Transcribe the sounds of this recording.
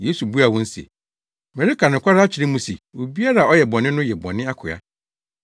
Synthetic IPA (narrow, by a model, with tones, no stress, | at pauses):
je˨˦su˨bu˦a˨wɔ̃˦n̩˦sḛ˨ | mɛ̃˨ɾi˦kʰa˨nʊ̃˨kʰʷa˦ɾa˦t͡ɕʰɪ˨ɾɪ̃˦mũ˦se˨wo˨bi˦a˦ɾa˨ɔ˦jɛ˨bɔ̃˨nɪ̃˦nʊ̃˦jɛ˨bɔ̰̃˨nɪ̃˦a˦kʰʊ˨a̰˦